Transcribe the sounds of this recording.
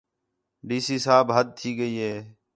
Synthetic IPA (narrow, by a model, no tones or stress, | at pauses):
ɖiːsiːsaːbɦəd̪̚t̪ʰiːɡəiːɦeː